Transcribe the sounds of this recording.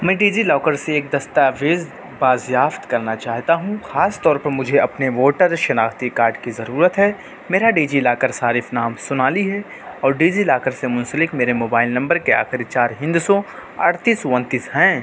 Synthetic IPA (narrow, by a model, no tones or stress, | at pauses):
mɛ̃ːɖiːd͡ʒilɔːkəɾseːk̚d̪ɐst̪aʋeːz | baːzjaːft̪kɐɾnat͡ʃaːɦt̪aɦũxaːst̪ɔːɾpɐɾmʊd͡ʒʱeɐpneʋoːʈəɾʃɐnaːxt̪ikaːɾɖkizɐɾuːɾət̪ɦɛː | meːɾaɖiːd͡ʒilaːkəɾsaːɾɪfnaːmsʊnaːliɦɛ | ɔːɾɖiːd͡ʒilaːkəɾsemʊ̃nsəlɪkmeːɾemoːbaːɪlnɐ̃mbəɾkea̰ːxɪɾɪt͡ʃaːɾɦɪ̃nd̪sɔɐ̰ɽʰt̪iːswɐ̃nt̪iːsɦɛ̃ː